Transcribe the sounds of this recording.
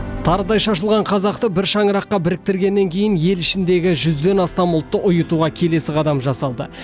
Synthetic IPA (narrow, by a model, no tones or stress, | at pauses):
t̪ʰɑɾəd̪ɑjʃɑʃəlˠʁɑɴqʰɑzɑqt̪əbɪɾʃɑŋəɾɑqːɑbɪɾɪk̚t̪ɪɾɡʲenːe̞ŋkʲʰe̞jɪnje̞lɪʃɪnd̪e̞ɡʲɪʒʏzd̪e̞nɑst̪ɑmʊlˠt̪ːəʔʊjət̪uʁɑkʲʰe̞le̞sɪqʰɑd̪ɑmʒɑsɑlˠd̪ə̰